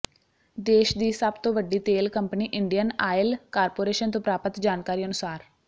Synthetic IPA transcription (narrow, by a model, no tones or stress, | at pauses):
d̪eːʃd̪iːsəbt̪õːʋəɖːiːt̪eːlkəmpniːʔɪɳɖijənaːɪlkaːɾpoːɾeːʃənt̪õːpɾaːpət̪d͡ʒaːnkaːɾiːənʊsaːɾ